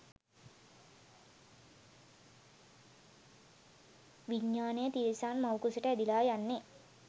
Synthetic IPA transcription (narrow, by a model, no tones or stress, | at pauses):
ʋiɲːaːnejət̪iːɾisaːnmawkusiʈəæd̪ilaːjanːe